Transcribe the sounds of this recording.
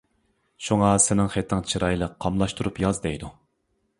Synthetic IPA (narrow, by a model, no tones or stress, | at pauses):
ʃuŋɑsɪnɪŋχet̪ʰːɪŋt͡ʃʰiɾɑjlˠəqʰːɑmlˠɑʃt̪ʰuɾupjɑzd̪ɛjd̪u